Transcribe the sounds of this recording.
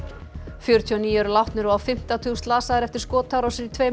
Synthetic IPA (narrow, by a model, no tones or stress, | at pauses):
fjœɾʏt̪ʰiɔniːjɛɾʏlawht̪nʏɾvawfɪm̥t̪awt̪ʰuːst̪laːsaðɾɛft̪ɪɾ̥skɔːt̪ʰawɾawsɪɾit̪ʰveː